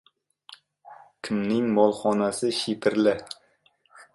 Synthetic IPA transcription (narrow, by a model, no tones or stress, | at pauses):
kʲʰɪmnɪŋmɒlˠχɒnasɪʃipʰɪɾlɪ